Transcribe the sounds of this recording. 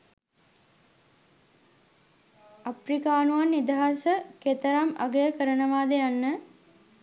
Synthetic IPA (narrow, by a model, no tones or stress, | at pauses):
aprikaːnuanːid̪əɦasəket̪əɾama̰ɡəjəkəɾənəʋaːd̪əjanːə